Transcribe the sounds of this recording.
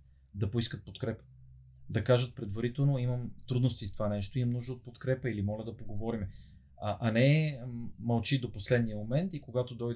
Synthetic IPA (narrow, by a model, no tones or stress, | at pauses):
d̪ɐpoiskət̪̚pot̪kɾɛpə̥ | d̪ɐkaʒət̪̚pɾɛd̪vɐɾit̪ɛlˠnoiməmt̪ɾud̪nost̪ist̪ovanɛʃt̪oimɐmnuʒd̪ot̪̚pot̪kɾɛpəilimɔlʲɐd̪ɐpoɡovɔɾimɛ | aʔanɛ | mɐlˠt͡ʃid̪oposlɛd̪nijəmomɛnt̪ikoɡat̪od̪ɔjd̪